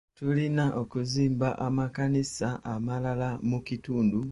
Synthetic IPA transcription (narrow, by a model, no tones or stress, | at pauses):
tulinaʔokuziːmbaʔamakanisaʔamalalamukituːndu